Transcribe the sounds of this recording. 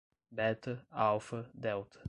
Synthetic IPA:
bɛt̪əawfədɛwt̪

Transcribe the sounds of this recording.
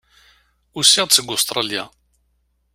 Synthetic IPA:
usiʁt͡sːəɡʊst̪ɾˤɑlja̰

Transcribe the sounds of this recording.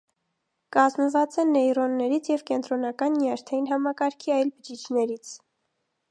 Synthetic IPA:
kɑzməvɑt͡sɛnɛjrɔnːɛɾit͡sʰjɛvkɛnt̪ɾɔnɑkɑnːiɑɾt̪ʰɑjinɦɑmɑkɑɾkʰiɑjlbəd͡ʒit͡ʃʰnɛɾit͡sʰ

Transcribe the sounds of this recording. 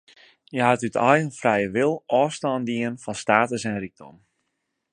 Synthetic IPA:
jəɦatytɔjənfrɛjəʋɪlˠʔɔːstɔːndiənfɔnstaːtəsɛnrik̚do̰m

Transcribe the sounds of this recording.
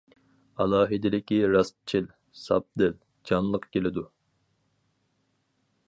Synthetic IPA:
ɑlˠɑːɦɨd̪ɪlɪkʲiɾɑst̪̚t͡ʃʰil | sɑ̰p̚d̪ɪl | d͡ʒɑnlˠəqkʲelɪd̪u

